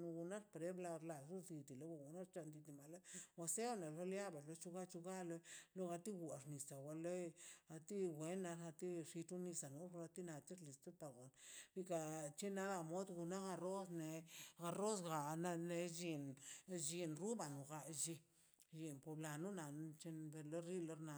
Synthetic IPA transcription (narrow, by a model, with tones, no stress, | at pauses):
nu˧ɡu˧na˦ɾpɾe˦bla˧ɾla˨ɾu˦d̪i˧d̪i˨lo˦wa˧˨ɡu˨na˦ɾt͡ʃa˧nd̪i˧t̪i˧ma˨le˦wa˧se˦ne˨lo˦lja˦ba˨ɾlo˧˦t͡ʃu˧ɡa˦t͡ʃu˧ɡa˦lo˧lo˦ɣa˧t̪i˦ɡu˨a˨ʐni˨sa˨wa˧le˦a˧t̪i˦wʷe˨˦nːa˧ɾa˧t̪i˦ʂi˧tu˦ni˧sa˨nu˧˦ɾa˧t̪i˦na˧t̪i˦ɾli˨st̪o˦t̪a˨ɡo˨nɾi˧ka˧t͡ʃe˦na˦d̪a˧mo˦d̪ɡu˧na˦ɣa˧ɾo˦sne˨˧ɡa˧ɾo˦sɡa˨na˧ne˧ʒi˧nd͡ʒi˧nɾu˦ba˨nu˨ɡa˧ʒi˧ | ʒi˧npo˨bla˨nu˦na˨n˧t͡ʃe˧nbe˧le˦ɾi˦le˧ɾna˧˨